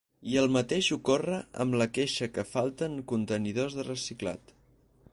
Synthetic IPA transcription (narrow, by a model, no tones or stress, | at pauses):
iəlˠmət̪eʃukorəə̰mləkeʃəkəfalˠt̪əŋkunt̪əniðozðərəsikla̰t̪